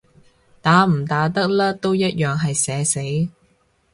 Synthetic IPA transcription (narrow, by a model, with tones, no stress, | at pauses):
t̪aː˨˥m̩˨˩t̪aː˨˥t̪ɐ˥k̚laː˥t̪o˥wjɐ˥t̚jœː˨ŋɦɐ˨jsɛː˨˧se˨˥j